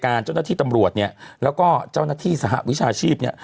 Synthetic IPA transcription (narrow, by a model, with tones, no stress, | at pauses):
kaː˧nt͡ɕa˥˩wnaː˥˩t̪ʰiː˥˩t̪mɾu˨˩ət̪̚ni˥˩ɐlɛː˦˥wkɔː˥˩t͡ɕaː˥˩wnaː˥˩t̪ʰiː˥˩sa˧ɦa̰˨˩ʔwi˦˥t͡ɕʰaː˧t͡ɕʰiː˥˩p̚ni˥˩ə